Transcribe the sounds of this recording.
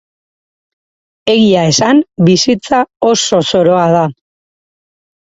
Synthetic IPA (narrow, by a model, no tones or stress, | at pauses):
e̞ɣiae̞sambisit͡sao̞so̞so̞ɾo̞aða